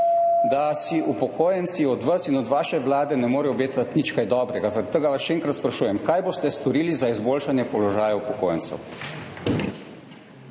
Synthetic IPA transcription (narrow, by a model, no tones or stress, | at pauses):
d̪asiʔupɔkʰoːjɛnt̪siɔd̪ʋasinɔd̪ʋaːʃɛʋlaːd̪ɛnɛmoːɾɛɔbeːt̪ʋat̪nit͡ʃkajd̪ɔːbɾɛɡazaɾat̪t̪ːəːɡaʋasʃɛeːŋkɾat̪spɾaʃuːjɛmkaːjboːst̪ɛst̪ɔɾiːlizaizboːlʃanjɛpɔlɔʒaːjaupɔkoːjɛntsɛ̰w